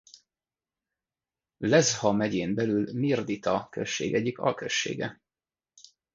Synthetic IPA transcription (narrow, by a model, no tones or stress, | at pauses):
lɛzhɒmɛɟeːmbɛlylmird̪it̪ɒkøʃːḛːɡɛɟːikɒ̰lkøʃːḛːɡɛ